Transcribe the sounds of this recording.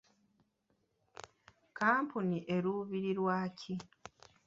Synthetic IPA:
kaːmpuniʔe̞ɾuβiɾiɾwaːcʰi

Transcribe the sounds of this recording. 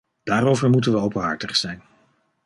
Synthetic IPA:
d̥aːrowvəɹmutənʋəowpənɦɑ̰ɹtəχsɛjn

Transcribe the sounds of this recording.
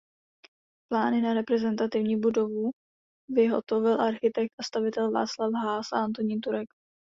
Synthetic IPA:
plaːnɪnaɾɛpɾɛzɛnt̪at̪ɪvɲiːbudo̞vu | vɪɦo̞̰t̪o̞vɪlʔaɾxɪt̪ɛk̚t̪ʔast̪avɪt̪ɛlva̰ːt͡slavɦaːsaʔant̪oɲiːt̪uɾɛk

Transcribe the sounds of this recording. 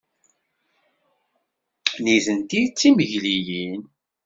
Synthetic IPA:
nizənt̪it͡sːiməʝlijin

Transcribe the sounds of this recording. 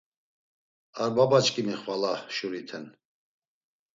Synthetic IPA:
aɾbabat͡ʃkʼimiχvalahʃuɾit̪ʰɛn

